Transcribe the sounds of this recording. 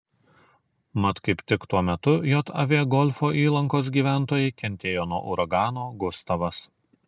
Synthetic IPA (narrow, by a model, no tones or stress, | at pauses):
mɐt̪kɐɪpt̪ʲɪkt̪uɔmʲɛt̪ʊjoːt̪ɐ̰ʋʲiɛɡɔlʲfoːʔiːlˠɐŋkoːs̬ɡʲiːʋʲæˑnˑt̪oːjɛɪkʲɛnʲt̪ʲeːjoːnuɔʔɔ̰ʊɾɐɡɑːnoːɡʊst̪ɐʋɐs